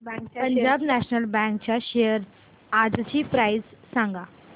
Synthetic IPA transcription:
pəɲd͡ʑabnæɕnəlbɛ̃ŋk̚t͡ɕjaɕejəɾ | ad͡zt͡ɕiːpɾajzsãŋɡa

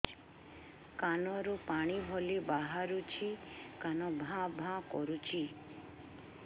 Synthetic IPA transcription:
kanɔɾupaɽ̃ibʱɔlibaɦaɾut͡ʃʰikanɔbʱãbʱãkɔɾut͡ʃʰi

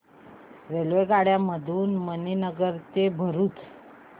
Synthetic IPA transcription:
ɾelʋeɡaɽjaməd̪ʱuːnməninəɡəɾt̪ebʱəɾuːt͡s

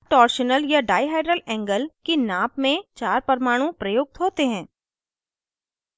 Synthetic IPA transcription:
ʈɔːɾʃənəljaɖaːɪɦaːɪɖɾəlɛ̃ːŋɡəlkinaːpmẽt͡ʃaːɾpɐɾmaːɽ̃ũpɾɐjʊːɡ̚t̪ɦoːt̪eɦɛ̃ː

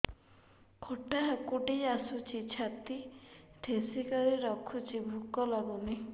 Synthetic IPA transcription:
kʰoʈaɦkuʈiasut͡ʃʰit͡ʃʰat̪it̪ʰesikɔɾiɾɔkʰut͡ʃʰibʱukɔlɔɡuni

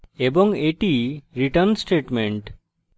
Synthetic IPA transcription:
ebɔŋeʈiɾiʈəɾnsʈeʈmeɳʈ

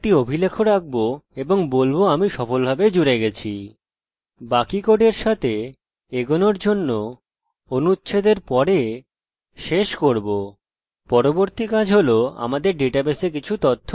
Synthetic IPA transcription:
kʈiobʱilekʰoɾak̚boeboŋbolboamiʃɔfolbʱabed͡ʑuɾeɡɛt͡ɕʰḭ | bakikoɖeɾʃat̪ʰe | eɡonoɾd͡ʑonːo | onutːɕʰed̪eɾpɔɾe | ʃeʃkoɾbo | pɔɾoboɾt̪ikad͡ʑʱɦoloa̰mad̪eɾɖeʈabesek̬it͡ɕʰut̪ot̪ʰːo

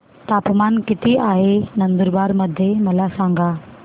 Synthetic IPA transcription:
t̪aːpmankɪt̪iʔaːɦenənd̪əɾbaːɾməd̪ʱːjeməlasãŋɡʱa

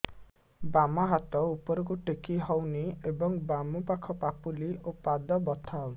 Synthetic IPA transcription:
bamaɦat̪ɔupɔɾɔk̬uʈekiɦɔwniebɔŋbamupakʰɔpapuliopad̪ɔbɔt̪ʰaw

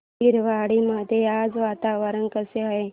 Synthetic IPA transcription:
iɾʋaːɽimad̪ʱead͡zʋat̪aʋəɾənkəseaɦe

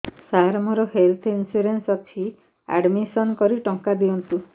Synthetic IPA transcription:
saɾmɔɾɔɦelt̪ʰinsuɾensɔt̪ʰi | a̰ɖmisɔnkɔɾiʈɔŋkad̪iɔnt̪u

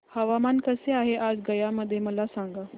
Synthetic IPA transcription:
həʋamankəseaɦeʔad͡zɡəjaməd̪ʱːjeməlasaŋɡa

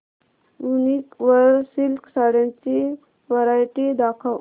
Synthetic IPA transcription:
unikʋəɾsilksaɽãnt͡ɕi | ʋəɾajʈid̪akʰa

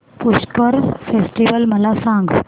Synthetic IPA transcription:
puɕkəɾfesʈiʋəlməlasãŋɡ

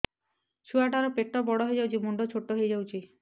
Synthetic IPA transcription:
t͡ʃʰuaʈaɾɔpeʈːɔbɔɽɔɦejd͡ʒawt͡ʃʰimuɳɖɔt͡ʃʰoʈːɔɦejd͡ʒawt͡ʃʰi

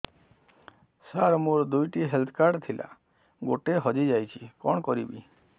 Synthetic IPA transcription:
saɾmuɾd̪ujʈiɦelt̪ʰɔ̥kaɾɖt̪ʰilʔa̰ | ɡoʈeɦɔd͡ʒid͡ʒajt͡ʃʰikɔɳ̃kɔɾibi

